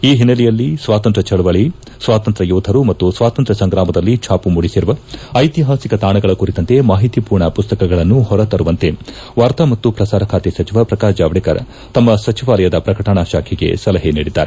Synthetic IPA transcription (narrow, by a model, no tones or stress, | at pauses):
iːɦinɐlijɐlːisʋaːt̪ɐnt̪ɾɐt͡ʃɐɭʋɐɭi | sʋaːt̪ɐnt̪ɾɐjuːd̪ʱɐɾumɐt̪ːusʋaːt̪ɐnt̪ɾɐsɐŋɡɾaːmɐd̪ɐlːit͡ʃʰaːpumuɽisiɾuʋɐɐjt̪iɦaːsikɐt̪aːɳɐɡɐɭɐkuɾit̪ɐnt̪e̞maːɦit̪ipuːɾɳɐpust̪ɐkɐɡɐɭɐnːuhɔɾɐt̪ɐɾuʋɐnt̪e̞ | ʋaːɾt̪ɐmɐt̪ːupɾɐsaːɾɐkʰaːt̪esɐt͡ʃiʋɐpɾɐkaːd͡ʒaːʋɐɽikɐɾ | t̪ɐmːɐsɐt͡ʃiʋaːlɐjɐd̪ɐpɾɐkɐʈɐɳaːʃaːkʰiɡe̞̰sɐlɐɦeniːɽid̪ːa̰ːɾe